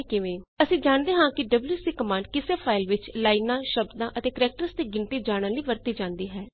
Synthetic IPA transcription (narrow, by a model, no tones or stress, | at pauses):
kɪʋẽːəsĩːd͡ʒaːɳd̪eːɦãːkɪɖəbljuːsiːkəmãːɳɖkɪseːpʰaːɪlʋɪt͡ʃlaːinãːʃəbd̪ãːʔət̪eːkəɾɛːk̚ʈəɾst̪eːɡɪnt̪iːd͡ʒaːɽ̃əːliːʋəɾt̪iːd͡ʒãːnd̪iːɦɛː